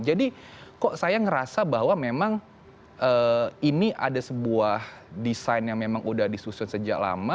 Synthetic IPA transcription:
d͡ʒadi | kɔʔsajaŋəɾasabaɦwamemaŋ | ʔəːiniʔadasəbuahdisajnjaŋmemaŋudahdisusʊnsəd͡ʒaʔla̰ma

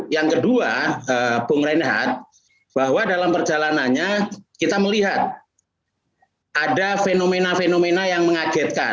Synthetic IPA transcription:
jaŋkəduaəpʊŋɾanɦa̰t̪̚ | b̥ahwadalampərd͡ʒalananɲakit̪aməliɦat̪̚ | ʔadafenomenafenomenajaŋməŋaɡɛt̪̚ka̰

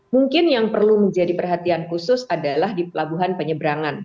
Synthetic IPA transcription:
muŋkɪnjaŋpərluməɲd͡ʒadipərɦat̪iankusʊsadalahdipəlabuɦanpəɲəbɾaŋan

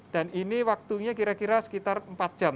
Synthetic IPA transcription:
d̥aniniwak̚t̪uɲakiɾakiɾasə̥kit̪armpat̪̚d̥ʒ̥am

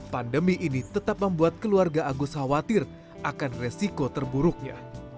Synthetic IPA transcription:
pandəmiʔinit̪ət̪ap̚məmbuat̪̚kəluarɡaʔaɡushawat̪ɪr | ʔakanresikot̪ərbuɾʊk̚ɲa̰

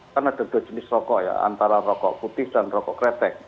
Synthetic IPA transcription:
anad̥a̤d̥̪a̤̥d͡ʒ̥ənɪsrɔkɔʔja̰a̰nt̪aɾarɔkɔ̰ʔput̪ɪhd̥anrɔkɔkɾɛt̪ɛk̚

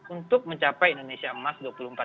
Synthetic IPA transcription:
unt̪ʊk̚məɲt͡ʃapajindonesiamasduapuluəm̩pa

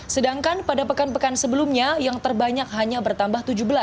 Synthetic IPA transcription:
sədaŋkanpadapəkanpəkansəbəlumɲajaŋt̪ərbaɲak̚ɦaɲabərt̪ambaht̪ud͡ʒubəlas

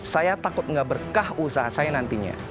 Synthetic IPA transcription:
sajat̪akʊt̪̚ŋɡaʔbərkahusaɦasajanant̪iɲa̰

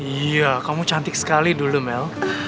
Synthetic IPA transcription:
iakamut͡ʃant̪ɪk̚sə̥kalidulumɛl

